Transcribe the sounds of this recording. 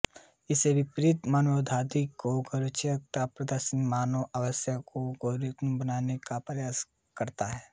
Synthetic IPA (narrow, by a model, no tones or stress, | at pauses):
ɪsebɪpɾɪt̪manəd̪ʱaːd̪ikoɡɐɾɪt͡ʃjək̚t̪apɾəd̪əɾʃənmaːnoʔɐʋəsjəkoɡoɾɪk̪nbənaːnekapɾɐjaːs | kɐɾt̪aɦɛː